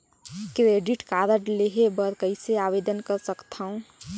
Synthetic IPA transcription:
keeɖiʈkaɾəʈleɦebəɾkəɪseabed̪ənkəɾsəkt̪ʰəũ

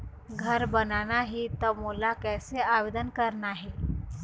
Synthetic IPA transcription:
ɡʱəɾbənanaɦit̪əmulakɛjseaʋed̪ənkəɾnaɦe

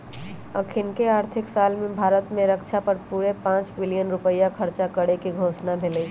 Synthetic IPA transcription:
əkʰinkeaːɾt̪ʰiksalmebʱaːɾət̪mẽɾəkt͡ʃʰapəɾpuɾepãt͡ʃbilijənɾupəjːakʰəɾt͡ʃakəɽekeɡʱosnabʱeləj

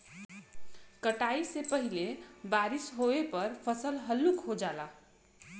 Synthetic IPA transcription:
kəʈaisepəɦilebaɾisɦoepʌɾpʰəsəlɦəlːukɦod͡ʒala

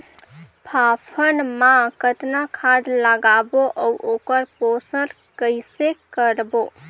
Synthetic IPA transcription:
pʰapʰənmãkət̪nakʰad̪ləɡaboʔəuʔokəɾposəɾ | kəɪsekəɾbo

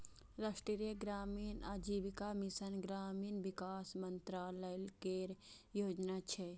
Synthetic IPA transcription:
ɾaːsʈɾiɾjeɡɾaːmiːnaːd͡ʒiːʋikamisənɡɾaːmiːnʋikaːsmɐnt̪ɾaːləlkeːɾ | joːd͡ʒnat͡ʃʰe

